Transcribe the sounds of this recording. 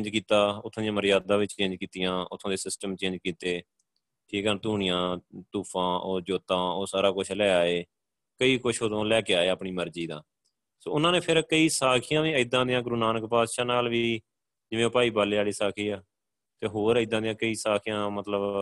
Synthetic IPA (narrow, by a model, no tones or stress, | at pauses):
d͡ʒkiːt̪aːʊt̪ʰːõːd̪jãːməɾɪjaːd̪ãːʋɪt͡ʃt͡ʃẽːɲd͡ʒkiːt̪ɪjãːʊ̰t̪ʰːõːd̪eːsɪsʈəmt͡ʃẽːɲd͡ʒkiːt̪eː | ʈʰiːkɛnt̪uːɳɪjãːt̪uːpʰãːoːd͡ʒoːt̪ãːoːsaːɾaːkʊt͡ʃʰlɛːaːeː | kəiːkʊt͡ʃʰot̪õːlɛːkeaːeːəpɳiːməɾd͡ʒiːd̪ã̰ː | so̰ːʊnãːneːpʰɪɾkəiːsaːkʰɪjãːʋiːəid̪ãːd̪ɪjãːɡʊɾuːnaːnəkpaːd̪ʃaːnaːlʋiː | d͡ʒɪʋẽːpaːiːbaːleːaːliːsaːkʰiːaː | t̪eːɦoːɾəɪd̪ãːd̪ɪjãːkəiːsaːkʰɪjãːmət̪ləb